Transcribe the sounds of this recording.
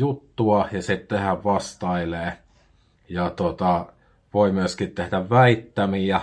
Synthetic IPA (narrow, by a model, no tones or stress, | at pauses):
jut̪ːuɑjɑsit̪t̪ehæʋʋɑst̪ɑileː | jɑt̪ot̪ɑ | ʋoimyøskit̪t̪ehdæʋʋæit̪ːæmiæ